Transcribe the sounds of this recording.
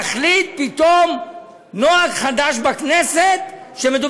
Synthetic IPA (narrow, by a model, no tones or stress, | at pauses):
aχlit̪̚pit̪om | noaɡχad̪aʃbakneset̪ | ʃemed̪u